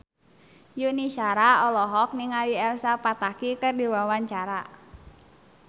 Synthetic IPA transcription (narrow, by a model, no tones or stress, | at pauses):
juniʃaɾaɔlɔɦɔk̚niŋaliɛlsapat̪akikɨrdiwawaɲt͡ʃaɾa